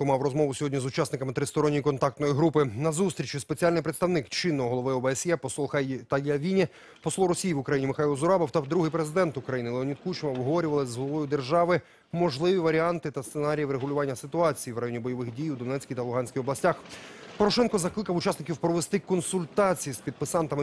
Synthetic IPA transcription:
ʊmɑwrɔzmɔʋʊsʲɔɦɔdʲnʲizʊt͡ʃɑsnɪkɐmɪt̪ɾɪst̪ɔɾɔnʲːijikɔnt̪ɑk̚t̪nɔjiɦɾupɪnɐzust̪ɾʲit͡ʃʊspet͡sʲialʲnɪjpɾɪt̪st̪ɐwnɪkt͡ʃɪnːɔɔɦɔlˠɔʋɪɔbɛɛsjɛpɔslˠɔt̪ɐjɐʋʲinʲɛ | pɔslˠɔɾɔsʲijiʋʊkɾɐjinʲimɪxajilˠzʊɾɑbɔwt̪ɐd̪ɾuɦɪjpɾezɪd̪ɛnt̪ʊkɾɐjinɪlˠeɔnʲid̪kut͡ʃʋɐʋɦɔʋɔɾʲʊʋɐlˠɪzɦɔlˠɐʋɔjʊd̪erʒɑʋɪ | mɔʒlˠɪʋʲiʋɐɾʲiɑnt̪ɪt̪ɐst̪senɑɾʲijiʋɾeɦʊlʲʊʋɑnʲːɐsɪt̪ʊɑt͡sʲijiʋrɐjonʲibɔjɔʋɪxdʲijud̪ɔnɛt͡sʲkʲijt̪ɐlˠʊɦɑnʲsʲkʲijɔblˠɐsʲtʲaxpɔɾɔʃɛnkɔzɐklˠɪkɐwʊt͡ʃasnɪkʲiwpɾɔʋest̪ɪkɔnsʊlʲt̪ɑt͡sʲijispʲid̪̚pɪsɑnt̪ɐmɪ

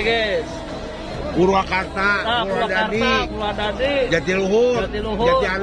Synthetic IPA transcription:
ɡɛ | puɾuakart̪aauaɾadaadipuɾuadadid͡ʒat̪iluɦuat̪iluɦd͡ʒat̪ial

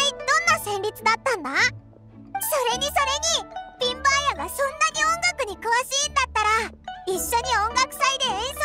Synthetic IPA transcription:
inonːasʰemitʰɯnat̪͈anːa | sʰʌɾeŋisʰʌɾeŋipimbajaɡasʰonːaɲiʌŋɡak͈ɯɲikɯʌs͈iːnnːat͈aɾais͈ʌɲiʌŋɡak̚s͈aid̪esʰ

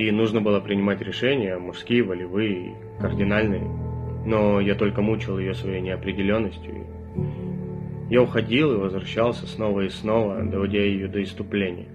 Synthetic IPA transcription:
inuʐnəbɨlˠəpɾʲɪnʲɪmatʲɾʲɪʂɛnʲɪjəɐmʊʂskʲijəvəlʲɪvɨḭ | kərdʲɪnalʲnɨjəno̞jat̪o̞lʲkəmut͡ɕɪlˠjɪjo̞svɐjejnʲɪɐpɾʲɪdʲɪlʲo̞nːəsʲtʲjʊ̰ḭ | jaʊxɐdʲilˠɨvəzvɾɐɕːalˠsʲəsno̞vəisno̞vəd̪əvɐdʲajɪjod̪əɪst̪ʊplʲenʲɪ̰jə

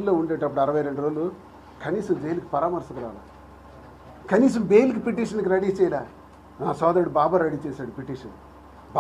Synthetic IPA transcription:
lːoːuɳɖeːʈ̬ːɐpːuɽɐɾɐʋɐjɾe̞ɳɖuɾoːlːu | kɐniːsɐmd͡ʒejliki̥pɐɾaːmɐɾsɐkɐɾa̰ːla̰ː | kɐniːs̬ɐmbeːjlik̬ipiʈiːʂɐnkiɾɐɽiːt͡ʃɛːjɐlaː | naːsɔːd̪ɐɾɽubaːbaːɾɐɽiːt͡ʃɛːsaːɽupeʈiːʂɐ̰n | b

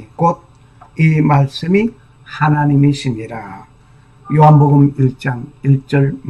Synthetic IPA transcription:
k͈od̚ | imaɭs͈ɯmi | hanaɲimeɕʰimɲiɾa | joɦanboɡɯmiɭt͡ɕ͈aŋiɭt͡ɕ͈ʌɭm

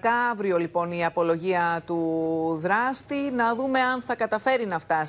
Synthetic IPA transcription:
kɐɐvɾio̞lipo̞niɐpo̞lo̞ʝiɐt̪uðɾɐst̪inɐðume̞ɐnθɐkɐt̪ɐfe̞ɾinɐft̪ɐ

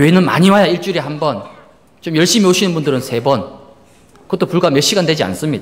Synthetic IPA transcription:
koenɯnma̰ɲiwajaiɭt͡ɕ͈uɾiɦambʌn | t͡ɕomjʌɭɕ͈imioɕʰinɯnbundɯɾɯnsʰe̞bʌn | kɯʌt͈opuɭɡamjʌɭɕ͈iɡandwe̞d͡ʑia̰ns͈ɯmɲid̥a

